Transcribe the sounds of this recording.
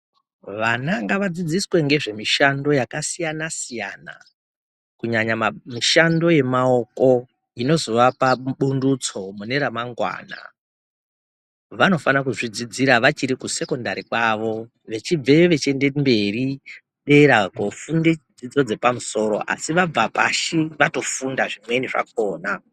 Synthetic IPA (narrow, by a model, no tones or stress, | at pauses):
ʋanaŋɡaʋad͡zid͡ziswe̞ŋɡe̞ʐe̞miʃando̞jakasijanasijana̰ | kuɲaɲamamiʃando̞je̞mao̞ko̞ | ino̞zoʋapaɓundut͡so̞mune̞ɾamaŋɡwa̰ːna̰ | ʋano̞fanak̬uʐid͡zid͡ziɾaʋat͡ʃiɾikuse̞ko̞ndaɾikwaʋo̞ | ʋe̞t͡ʃib͡ve̞ʋe̞t͡ʃe̞ndembe̞ri | ɗe̞ɾakofunded͡zid͡zo̞d͡ze̞pamuso̞ːɾo̞̰ʔa̰siʋab͡vapa̰ʃiʋato̞fundaʐimwe̞niʐa̰k̚oːna